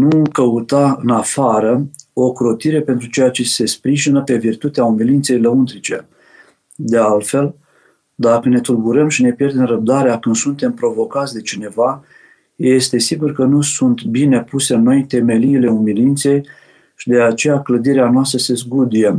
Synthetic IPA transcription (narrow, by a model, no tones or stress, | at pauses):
nukəut̪aɨnafaɾəo̞kɾo̞t̪iɾe̞pe̞nt̪ɾut͡ʃe̞jat͡ʃe̞se̞spɾiʒinəpe̞virt̪ut̪eaumilint̪se̞jləunt̪ɾit͡ʃe̞̰ | d̪e̞alt̪fe̞l | d̪akəne̞t̪ulbuɾəmʃine̞pje̞rd̪e̞mɾəb̚d̪aɾeakɨnd̪sunt̪e̞mpɾo̞vo̞kat̪sʲd̪e̞t͡ʃine̞va | je̞st̪e̞siɡurkənusunt̪bine̞puse̞ɨnːo̞jt̪e̞me̞liːle̞umilint̪se̞j | ʃid̪e̞at͡ʃe̞jakləd̪iɾeanoas̬t̪ɾəse̞zɡud̪ije